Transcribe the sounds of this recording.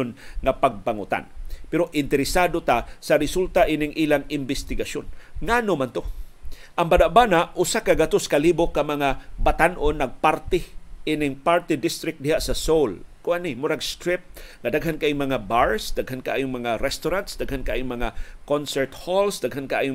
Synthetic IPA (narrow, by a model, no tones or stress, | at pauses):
nŋapaɡ̚paŋʊt̪a̰npɛɾoʔɪnt̪ɛɾɪsaːd̪ot̪asaɾɪsult̪aʔinɪŋʔiːlaŋɪmbɪst̪ɪɡasonŋanomant̪oʔaŋbanaʔbanaʔʔʊsakaɡat̪oskaliːbokamaŋabat̪anʔonːɐɡ̚paɾt̪ɪʔinɪŋpaɾt̪ɪd̪ɪst̪ɾɪk̚d̪ɪhaʔsasowlkʊʔanɪmʊɾaɡst̪ɾɪp̚ŋad̪aɡɦankaʔiŋmɐŋabaɹsd̪aɡhankaʔa̰jʊŋmɐŋaɾɛst̪ʊɾant̪sd̪aɡhankaʔajʊŋmaŋakonsɛɹt̪holsd̪aɡɦankaʔa̰ːjʊ